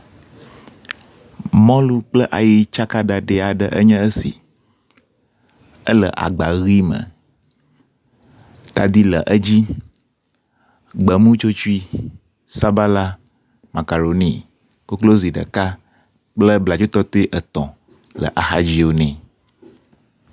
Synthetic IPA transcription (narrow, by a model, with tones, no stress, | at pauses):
mɔ̃˦lu˦k͡plə˦ʔa˨ji˦t͡ʃa˦ka˦ɖa˨ɖe˨a˨ɖə˨ʔə̰˦ɲɛ̃˦ə˦sḭ˨ | ə̰˦lə̰˨ʔa̰˨ɡ͡ba˨ɣi˦mə̰̃˨ | t̪a˨d̪i˦lə̰˨ʔə˦d͡ʑi˦ | ɡ͡bə˨mũ˦t͡ʃo˦t͡ʃu˦i˦ | sa˦ba˦la˦ | ma˨ka˨ɾo˨nĩ˦ | ko˦klo˦zi˨ɖə̰˨ka˦ | k͡plə˦bla˨d͡ʒo˦t̪ɔ˦t̪o˦i˦ʔə˨t̪ɔ̃˨ | lə̰˨ʔa˨xa˨d͡ʑi˦wo˦nɛ̃˨